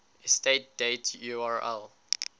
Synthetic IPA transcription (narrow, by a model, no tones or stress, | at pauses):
ɛstet̚d̥etʰjuaɹɛ̰l